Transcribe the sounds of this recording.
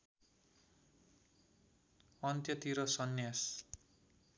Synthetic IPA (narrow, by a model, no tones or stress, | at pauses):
ʌnt̪jʌt̪iɾʌsʌnjas